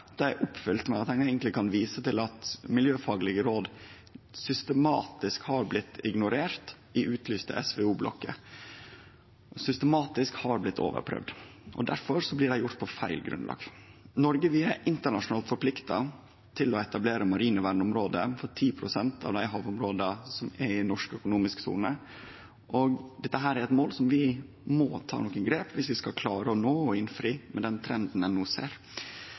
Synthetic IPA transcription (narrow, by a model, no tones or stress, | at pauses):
d̪̥ɛæʔʊpfʏlt̪mɛɑt̪ɛɪnæɪɡənt̪lɪkʰɑnʋiːsət̪ɪlɑt̪mɪljøːfɑːɡlɪɡəɾoːd̪ | sʏst̪əmɑːt̪ɪskhɑɾblɪt̪ːɪɡnʊɾeːɾt̪ | ɪʔʉːt̪ʰlyːst̪ə̰ʔɛsʋɛuːblɔ̰kːə̰ | sʏst̪əmɑːt̪ɪskhɑɾblɪt̪ʰːo̰ːʋə̰ɾpʰɾœ̰ʋd̪ʔɔ̰d̪æ̰ɾfɔɾsɔblɪɖæɪjʊʈt̪̚pʰɔfæ̰ɪlɡɾʉ̰nlɑ̰ːɡnɔɾɡəʋɪæɾʔɪnt̪əɳɑʂʊnɑːlt̪fɔɾpʰlɪkt̪ɑ | t̪ʰɪlɔɛt̪ɑbleːɾəmɑɾiːnəʋæɳʊmɾoːd̪əfɔʈʰiːpʰɾʊsɛnt̪ʰɑ̰ʋd̪æɪɦɑːʋʊmɾoːd̪əsɔmæɪnɔʂkœkʊnuːmɪsksṵːnə | ʔɔɡd̪ɛt̪ːəɦæːɾæɾɛt̪moːlsɔmʋɪ | mɔt̪ʰɑ̰ːnɔkənɡɾeːpʋɪsʋɪskɑkʰlɑːɾəɔnoːɔɪnfɾiːmɛd̪ɛnt̪ʰɾɛnd̪n̩ɛnːuːsḛːɾ